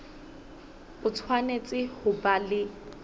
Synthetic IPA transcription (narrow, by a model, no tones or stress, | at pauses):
ʊt͡sʰwanet͡sʼɪhʊbalɪ